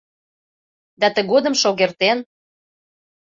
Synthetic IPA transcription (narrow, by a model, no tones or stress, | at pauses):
d̪ɑt̪əɣod̪əmʃoɣert̪en